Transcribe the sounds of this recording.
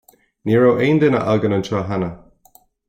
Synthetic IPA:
niːɹowʔeːnd̪ɪnə̰ʔaɡənəntʰaːɦanə

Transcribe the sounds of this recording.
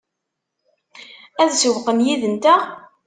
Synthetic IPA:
æðsəwqənjiðənt̪æ

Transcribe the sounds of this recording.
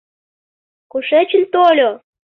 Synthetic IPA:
kuʃet͡ɕə̆nt̪olʲo

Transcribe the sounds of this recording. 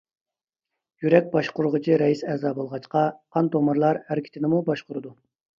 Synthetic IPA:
jyɾɛk̚ʲbɑʃqʊɾʊʁət͡ʃʰiɾɛjisɛːzɑːbolˠʁɑt͡ʃqɑqʰɑnt̪omɑɾlˠɑɾhæɾɪkʲi̥t̪ʰɪnɪmubɑʃqʊɾɨd̪u

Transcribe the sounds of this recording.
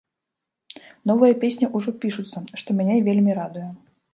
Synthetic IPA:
nɔvɨjɐpʲesʲnʲɐʔuʐɔpʲiʂut̪sːɐʂt̪ɔmʲanʲevʲelʲmʲiɾad̪ujɛ

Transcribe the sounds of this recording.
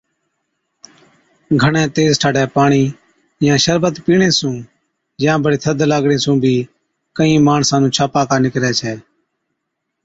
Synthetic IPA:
ɡʱəɳɛ̃ːt̪eːzʈʰaːɖɛːpaːɳiː | jãːʃəɾbət̪piːɳẽːsũː | jãːbəɽeːt̪ʰəd̪laːɡɽẽːsũːbʱiː | kəĩːmaːɳsãːnũːt͡ʃʰaːpaːkaːnɪkɾɛːt͡ʃʰɛː

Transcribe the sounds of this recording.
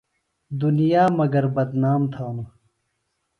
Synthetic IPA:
d̪unijaːmɐɡɐɾbɐd̪naːmt̪ʰaːna

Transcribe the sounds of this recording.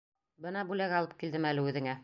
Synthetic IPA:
bɤnɑbʉlæɡɑlˠɤp̚kild̪ɘmælɘʉðɘ̆ŋæ

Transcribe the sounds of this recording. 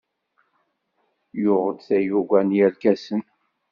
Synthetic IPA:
jʊʁəd̪θæjuɡʷænjælkæsən

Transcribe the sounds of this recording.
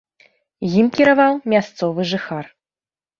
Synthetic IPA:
jimkʲiɾavawmʲast̪sɔvɨʐɨxar

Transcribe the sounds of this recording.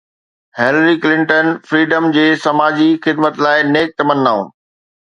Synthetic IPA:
helɾiklɪ̃ɳʈənfɾiːɖəmd͡ʑeːsɐmaːd͡ʑixɪd̪mət̪laːɪneːk̚t̪ɐmənːaːṵ̃ː

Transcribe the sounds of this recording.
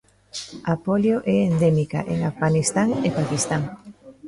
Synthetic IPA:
apoljoʔɛend̪emika̰ʔeŋafɣanist̪aŋepakist̪aŋ

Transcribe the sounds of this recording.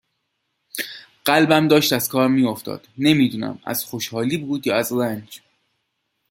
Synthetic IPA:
ɢ̥ælbæmd̪ɒːʃt̪æz̥kʰɒːɾmiːoft̪ʰɒ̰ːd̪̥ne̞miːd̪uːnæ̰mæ̰z̥xoʃhɒːliːbuːd̪jɒːæzɾænd͡ʒ

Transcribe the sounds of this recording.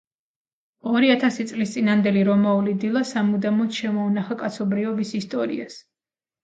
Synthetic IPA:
ɔɾiat̪ʰasit̪sʼlist̪sʼinand̪ɛliɾɔmaulid̪ilˠasamud̪amɔt̪ʃɛmɔːnaχakʼat̪sʰɔbɾiɔbisist̪ʼɔɾḭa̰s

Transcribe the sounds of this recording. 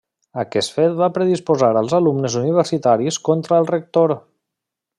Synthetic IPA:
əkɛst̪fet̪̚βapɾəðispuzaɾəlˠzəlumnəzuniβ̞əɾsit̪aɾiskont̪ɾəːlˠrək̚t̪oɾ

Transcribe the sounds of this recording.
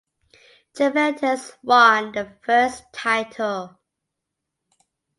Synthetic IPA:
d͡ʒəvɛtʰəswʌ̃nðəfɜˑ˞stʰaɪtʰəlˠ

